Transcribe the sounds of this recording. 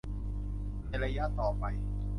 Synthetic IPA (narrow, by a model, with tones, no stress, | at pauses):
na˧jɾa˧ja˦˥t̪ːɔː˨˩pa˧j